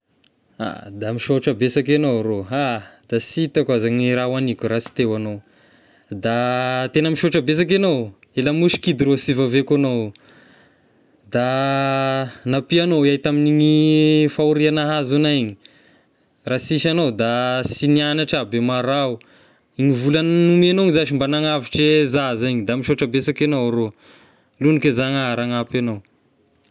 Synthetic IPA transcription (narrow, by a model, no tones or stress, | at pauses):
a̰d̪amiʃoʈ͡ʂabesakenoɾoad̪̥asit̪akazaɲiɾawanikʲuɾasi̥t̪ewanow | d̪at̪enəmiʃoʈ͡ʂabes̬ak̬enow | elamuʃi̥kid̪iɾosivavekanow | d̪a | napianowajt̪aminiɲifauɾianaɦazunaɲi̥ | rasiʃanowd̪asinianaʈ͡ʂabemaɾau | iɲivulannumanoŋizaʃimbanaŋaviʈ͡ʂezazaɲid̪amiʃoʈ͡ʂabesakanowɾo | lunikezaŋaaɾaŋapanow